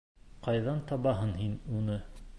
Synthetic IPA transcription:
qɑjðɑnt̪ɑβɑɦɤnɦinunɤ

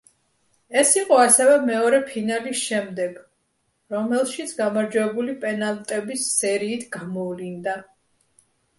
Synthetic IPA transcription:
ɛsiqʼɔasɛvɛmɛɔɾɛpʰinalisʃɛmd̪ɛɡ̥ | ɾɔmɛlˠʃit̪sʰɡamaɾd͡ʒwɛbulipʼɛnalˠt̪ʼɛbisːɛɾiːt̪ʰɡ̥amɔvlind̪a

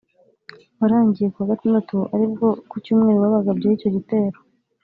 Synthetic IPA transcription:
waɾaːɲɟijekuhaɡatumndatuʔaɾib̚ɡo̞kucuːmŋe̞ːɾowaβaɡabɟaico̞ɟite̞ːɾo

